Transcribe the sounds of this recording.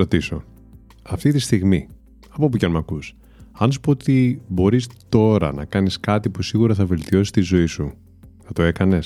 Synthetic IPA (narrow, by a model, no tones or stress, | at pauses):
ɾo̞t̪iso̞̰ | ɐft̪it̪ist̪iɣmi | ɐpop̬ucɐnmɐkus | ɐns̬u̥poot̪ibo̞ɾist̪o̞ɾɐ̰nɐ̰kɐniskɐt̪ipusiɣuɾɐθɐve̞lt̪io̞si̥st̪izo̞isu | θɐt̪o̞e̞kɐne̞s